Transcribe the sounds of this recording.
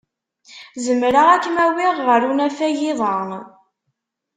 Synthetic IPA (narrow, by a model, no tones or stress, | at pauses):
zəmɾəʁækːmæwɪʁːəɾunæfæjɪðˤɑn